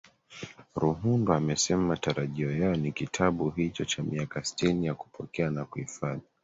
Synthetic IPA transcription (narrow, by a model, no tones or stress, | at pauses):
ɾuɦundɔamɛsɛmaataɾaʄiɔjaɔnikitʰaɓuɦit͡ʃɔt͡ʃamiakasi̥tinijaku̥pʰɔkɛanakuifaði